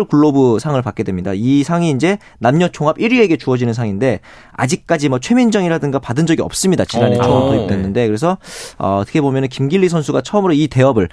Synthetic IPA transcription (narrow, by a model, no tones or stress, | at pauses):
ɭkuɭːobusʰaŋɯɭpak͈e̞dwe̞mɲida̰isʰaŋiːnd͡ʑe̞ | namɲʌt͡ɕʰoŋɦabʔiɾie̞ɡe̞t͡ɕuʌd͡ʑinɯnsʰaŋinde̞ | a̰d͡ʑik̚k͈ad͡ʑimʌt͡ɕʰwe̞mind͡ʑʌŋiɾadɯŋɡapadɯnd͡ʑʌɡiʌp̚s͈ɯmɲidat͡ɕiɾanet͡ɕʰoakʰʌip̚t͈we̞nːɯnde̞kɯɾe̞s̬ʰʌʌ̰tʰɯ̥kʰebomjʌnɯnkimɡiɭːisʰʌnsʰuɡat͡ɕʰʌʌmɯɾoite̞ʌbɯɭ